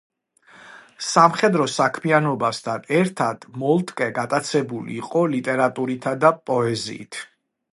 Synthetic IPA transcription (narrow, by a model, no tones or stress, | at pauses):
samχɛd̪ɾɔsakʰmianɔbasd̪ʰanɛɾt̪ʰad̪̥mɔlˠt̪ʼkʼɛɡat̪ʼat̪sʰɛbulḭːqʼɔlit̪ʼɛɾat̪ʼuɾit̪ʰad̪apʼɔɛzḭːt̪ʰ